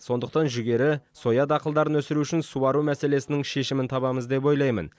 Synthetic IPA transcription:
so̞nd̪əq̚t̪ɑnʒʏɡʲe̞ɾɪso̞jɑd̪ɑqəlˠd̪ɑɾənwɵsɪɾuʏʃɪnsuɑɾumæse̞le̞sɪnɪŋʃe̞ʃɪmɪnt̪ʰɑβɑməzd̪e̞p̬o̞jlˠɑjmə̰n

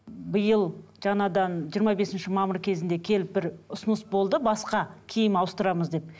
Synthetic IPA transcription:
bəjəlˠʒ̥ɑnɑd̪ɑnʒijəɾmɑbe̞sɪnʃɪmɑməɾkʲʰe̞zɪnd̪e̞kʲʰe̞lɪp̚bɪɾʊsʊnəsbo̞lˠd̪əbɑsqɑkʲʰijɪmɑwəst̪əɾɑməzd̪e̞p̚

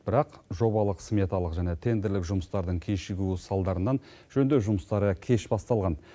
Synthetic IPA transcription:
b̥ɪɾɑqʒo̞bɑlˠəqsmʲet̪alˠəqʒæne̞t̪ʰe̞nd̪ɪɾlɪkʒʊməst̪ɑɾd̪əɴkʲʰeʃɪɡʲusɑlˠd̪ɑɾənːɑn | ʒ̥ɵnd̪ewʒʊməst̪ɑɾəkʲʰe̞ʃbɑst̪ɑlˠʁɑn

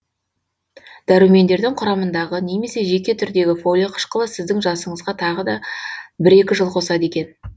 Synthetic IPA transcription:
d̪̥æɾɪwme̞nd̪e̞ɾd̪ɪŋqʰʊɾɑmənd̪ɑʁəne̞me̞se̞ʒe̞kʲe̞t̪ʰʏɾd̪e̞ɡʲɪfo̞lʲiqʰə̥ʃqəlˠəsɪzd̪ɪŋʒɑsəɴəzʁɑt̪ʰɑʁəd̪ɑbɪɾe̞kʲɪʒəlˠqʰo̞sɑd̪e̞kʲe̞n

